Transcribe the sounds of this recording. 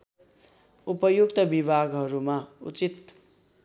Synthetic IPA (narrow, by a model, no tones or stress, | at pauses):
upʌjukt̪ʌbibʱaɡɦʌɾumaṵt͡sit̪